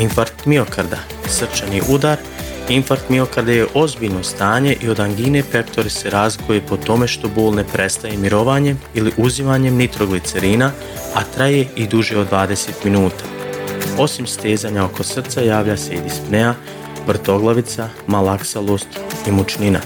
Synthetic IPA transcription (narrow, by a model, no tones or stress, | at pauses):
iɱfaɾt̪mio̞kaɾd̪a | sr̩t͡ʃaniʔud̪aːɾ | iɱfaɾt̪mio̞kaɾd̪ajeʔo̞zbiːʎno̞st̪aːɲe̞ʔio̞d̪aŋɡiːne̞pe̞kt̪o̞ɾese̞ɾaːzlikojepo̞t̪o̞me̞ʃt̪o̞boːlˠne̞pɾe̞st̪ajemiɾo̞ʋaːɲe̞miliʔuzimaːɲe̞mnit̪ɾoɡlit̪seɾiːna | at̪ɾaje̞id̪uʒeo̞d̪ʋaːd̪ese̞ːt̪minuːt̪aːo̞simst̪eːzaːɲao̞kʰo̞sr̩t̪sajaːʋlʎased̪ispnea | ʋr̩t̪o̞ɡlˠaʋit̪sa | malaksalˠoːst̪imot͡ʃnina̰